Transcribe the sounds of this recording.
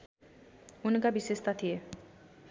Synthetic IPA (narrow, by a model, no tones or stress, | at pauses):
unkabisest̪at̪ʰije